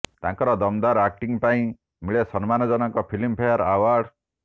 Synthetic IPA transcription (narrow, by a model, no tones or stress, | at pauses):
t̪ãŋkɔɾɔd̪ɔmd̪aɾakʈiŋpaĩ | miɭesɔnmanɔd͡ʒɔnɔŋkɔpʰilimpʰejaɾawaɾɽ